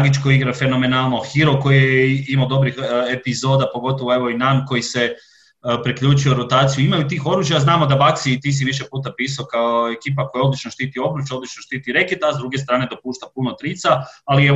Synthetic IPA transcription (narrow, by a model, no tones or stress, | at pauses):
aɡit͡ʃkoiɡɾafe̞no̞me̞nalˠnoxiɾoko̞jijeimaod̪o̞bɾixepizo̞d̪apo̞ɡo̞t̪oʋoe̞ʋo̞inanko̞jise | pɾikʎuːt͡ʃujo̞ɾot̪aːt̪sijuimajut̪̬iːxo̞ɾuːʒjaznaːmo̞d̪abaksit̪iːs̬iʋiʃepuːt̪apiːsaokaoe̞kiːpakojaod̪lit͡ʃnoʃt̪iːt̪io̞bɾut͡ʃjo̞d̪lit͡ʃnoʃt̪iːt̪iɾe̞kit̪azd̪ɾuɡest̪ɾaːne̞d̪o̞puːʃt̪apunot̪ɾiːt̪saalie